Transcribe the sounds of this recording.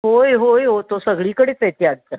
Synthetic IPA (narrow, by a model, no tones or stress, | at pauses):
ɦojɦojɦot̪osəɡɭiːkəɽeːt͡set̪jaɽ̚t̪əɾ